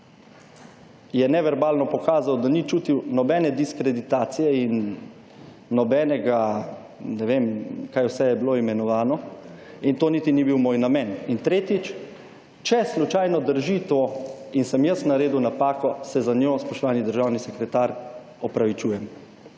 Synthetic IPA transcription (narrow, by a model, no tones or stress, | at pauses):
jɛnɛʋɛɾbaːlnɔpɔkaːzawd̪anit͡ʃuːt̪iwnɔbɛːnɛd̪iskɾɛd̪it̪aːt̪sijɛin | ɔbɛnɛɡa | nɛʋemkaːjwsɛjɛbiloimɛnɔʋaːnɔint̪oːnit̪inibiwmoːjnamɛnint̪ɾeːt̪it͡ʃ | t͡ʃɛslut͡ʃajnɔd̪əɾʒit̪oinsɛmjəsnaɾeːd̪uwnapaːkɔsɛzanjospɔʃt̪ɔʋaːnid̪əɾʒawnisɛkɾɛt̪aːɾ | ɔpɾaʋit͡ʃuːjɛm